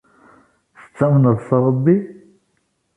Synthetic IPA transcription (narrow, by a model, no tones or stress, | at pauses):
θə̥t͡sːæmənəðˤsəɾˤəbːi